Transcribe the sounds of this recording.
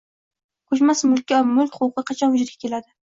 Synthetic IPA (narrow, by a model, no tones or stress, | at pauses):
qʰoʃmasɪmʊlˠkʲːamʊlˠkʲχʊqɨqʰɑt͡ʃʰɒnʊd͡ʒɾɡʲakʲʰe̞lad̪ɪ